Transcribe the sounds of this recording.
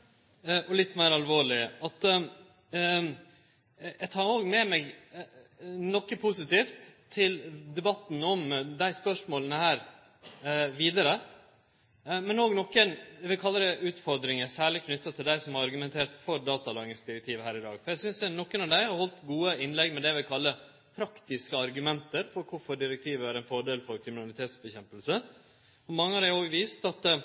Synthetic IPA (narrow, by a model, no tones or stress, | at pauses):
ʔɔlɪt̪ːmeɪɾɑlʋoːɭɪʔɑt̪ | jæɪt̪ʰɑːɾoːɡmɛmɛɡ | nɔkːəpʰʊsɪt̪iːft̪ʰː | ɪld̪ɛbɑt̪nɔmd̪æɪspœʂmoːlənəhæːɾ | ʋiːd̪əɾə | mɛnoːɡnɔkːənɛʋɪlkʰɑlːəd̪ɛʔʉːt̪fɔɾd̪ɾɪŋəsæːɭɪkʰnʏt̪ːɑt̪ʰɪld̪æɪsɔmhɑɾɑɾɡʉmɛnt̪ʰeːɾt̪fɔɾd̪ɑːt̪ɑlɑːɡɪŋsd̪ɪɾɛk̚t̪ʰiːʋəhæːɾɪd̪ɑːɡfɔɾjæɪsʏnsd̪ɛnɔkːənɑʋd̪æɪhɑɾhɔlt̪ɡuːəɪnlɛɡmɛd̪ɛʋɪlkʰɑlːə | pʰɾɑkt̪ɪskəɑɾɡʉmɛnt̪əɾfɔɾkʰʊɾfɔɖɪɾɛk̚t̪ʰiːʋəæɾɛnfɔɖeːlfɔɾkʰɾɪmɪnɑlɪt̪ʰeːt̪sbəçɛmpəlsə | ɔmɑŋːəɑɾd̪æɪoːɡʋiːst̪ɑt̪